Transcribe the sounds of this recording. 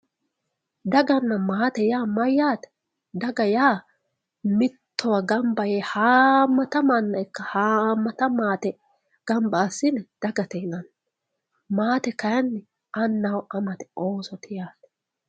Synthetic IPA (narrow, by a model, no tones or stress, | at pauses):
d̪ɐɡɐnːɐmaːt̪ɛjaːmɐjːaːt̪ɛ̥ | d̪ɐɡɐjaː | mɪt̪ʰːɔwɐɡɐmbɐjeːhaːmːɐt̪ɐmanːɐɪkːɐhaːmːɐt̪ɐmaːt̪ɛ | ɡ̥ɐmbaːsːɪnɛd̪̥ɐɡɐt̪ɛɪnɐn | maːt̪ɛkɐjɐnːɛ | ʔɐnːɐwʔɐmɐt̪ɛ̥oːsɔt̪ʰɪjaːsɛ̥